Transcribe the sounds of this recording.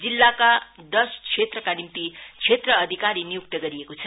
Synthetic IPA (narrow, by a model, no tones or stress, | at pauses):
d͡zilːakad̪ʌskʰet̪rʌkanimt̪ikʰet̪rʌːd̪ʱikaɾinijuk̚t̪ʌɡʌɾijekot͡sʰʌ